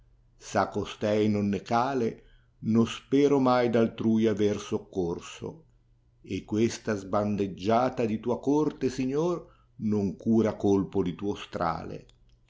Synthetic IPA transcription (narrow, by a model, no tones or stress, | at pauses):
sakost̪ɛjnonːekaːle | nospɛːɾomajd̪alt̪ɾuːjaversokːorso̰ | ekːwest̪azband̪ed͡ʒːaːt̪ad̪it̪uːakort̪esiɲːor | noŋkuːɾakolpod̪it̪uːost̪ɾa̰ːlḛ